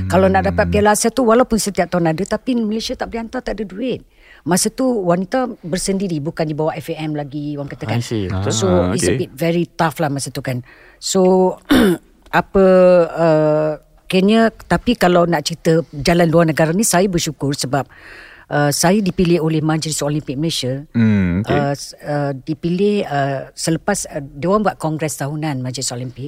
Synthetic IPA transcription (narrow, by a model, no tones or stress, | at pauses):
kalawnaʔdapat̪̚pialasat̪uwalawpʊnsət̪iap̚t̪aunadət̪apimilesiat̪aʔbəliant̪at̪aʔdəduɪt̪̚ | mãsət̪uwanit̪abərsəndiɾibukandibawaʔɛfeɛmlaɡiwaŋkat̪əkansoisəit̚vɛɾit̪aflahmasət̪ukan | so | apəə | kiəɲət̪apikalawnaʔt͡ʃəit̪əd͡ʒalanluarnəɡaɾanisajabərʃukʊrsəbap̚ʔəsajadipilɪholɛhmãd͡ʒɾisolimpik̚məleʃə | ʔəədipilɪhəsələpasədəwanbuaʔ̪̚kɔŋɡɾɛst̪aɦunãnmãd͡ʒɾisolimpɪk̚